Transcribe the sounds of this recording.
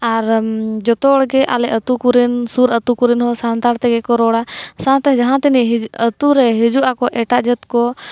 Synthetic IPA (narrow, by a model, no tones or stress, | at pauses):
aɾd͡ʒɔt̪ɔːɽɡɛʔa̰lɛʔət̪ukuɾɛnsuɾət̪ukuɾɛnɦɔsant̪aɾt̪ɛɡɛkɔɾɔɽasãt̪ɛd͡ʒaɦãt̪ɛniɦət̪uɾɛɦɛd͡ʒuʔakɔʔɛʈaʔd͡ʒɛt̪kɔ